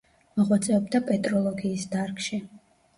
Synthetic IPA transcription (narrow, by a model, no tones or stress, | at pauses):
mɔʁwɔt̪sʼɛɔbd̪apʼɛt̪ʼɾɔlˠɔɡiːsd̪aɾkʃi